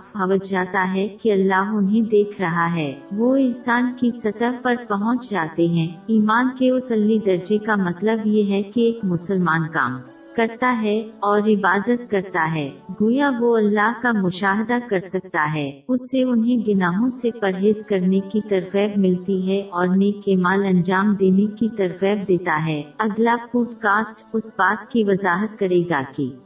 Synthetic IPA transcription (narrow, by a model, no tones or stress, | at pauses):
fbaʋət̪d͡ʒaːt̪aɦɛkiɐlːaːɦʊnɦẽd̪eːkʰɾɐɦaɦɛːʋoɪnsaːnkisɐt̪əɦpɐɾpɐɦɔ̃t͡ʃd͡ʒaːt̪eɦɛ̃ːiːmaːnkeʊsɐlːid̪ɐɾd͡ʒekamɐt̪ləbjeɦɛkieːkmʊsəlmaːnka̰ːm | kɐɾt̪aɦɛɔːɾɪbaːd̪ət̪̚kɐɾt̪aɦɛːɡujaʋoɐlːaːɦkamʊʃaːɦd̪akɐɾsɐk̚t̪aɦɛːʊsːeʊnɦẽɡɪnaːɦõsepɐɾɦeːzkɐɾnekit̪ɐɾfɛːbmɪlt̪iɦɛʔɔːɾneːkeːmaːlɐ̃nd͡ʒaːmd̪eːnekit̪ɐɾfɛːb̚d̪eːt̪aɦɛːɐɡlapuːʈkaːsʈʊsbaːt̪kiʋɐzaːɦət̪̚kɐɾeːɡa̰kiː